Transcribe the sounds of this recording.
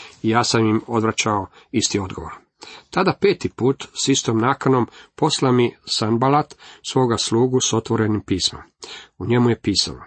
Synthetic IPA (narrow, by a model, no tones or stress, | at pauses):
ijaːsamimo̞d̪ʋɾat͡ɕao | ist̪io̞d̪ɡo̞ʋoɾ | t̪ad̪ape̞ːt̪ipuːt̪sist̪omnaːkano̞mpo̞slamisanbalat̪sʋo̞ːɡaslˠuːɡuso̞t̪ʋo̞ɾe̞nimpiːsmo̰muɲe̞muje̞piːsa̰lo